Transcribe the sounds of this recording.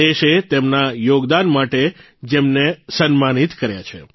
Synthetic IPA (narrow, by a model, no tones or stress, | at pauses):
eʃet̪emnajoɡd̪anmaʈe | d͡ʒemnesənmanit̪kəɾja̰t͡ʃʰḛ